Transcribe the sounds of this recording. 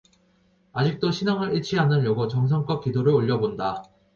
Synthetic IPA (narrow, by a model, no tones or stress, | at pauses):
ad͡ʑik̚t͈oɕʰinaŋɯɾiɭt͡ɕʰiɦanɯnjoɡot͡ɕʌŋs̬ʰʌŋk͈ʌk͈idoɾɯɭoʎːʌbonda